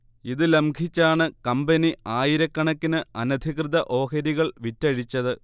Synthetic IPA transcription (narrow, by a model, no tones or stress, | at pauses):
iðɨlemɡʰʱit͡ɕːaːɳɨkɐmbɐniaːjiɾɐkːɐɳɐkːinɨɐnɐd̪ʱikrɨðɐʔo̞ːkɐɾiɣɐɭʋitːɐɻit͡ɕːɐðɨ